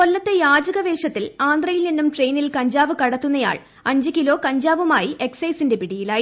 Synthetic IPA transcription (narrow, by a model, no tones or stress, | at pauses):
ko̞lːɐt̪ːe̞jaːd͡ʑɐɣɐʋeːʂɐt̪ːilaːnd̪rɐjilninːumʈre̞jnilkɐɲd͡ʑaːʋɨkɐɽɐt̪ːunːɐja̰ːɭ | ɐɲd͡ʑɨkilo̞ːkɐɲd͡ʑaːʋumaːjiʔe̞ksɐjsinde̞piɽijilaːji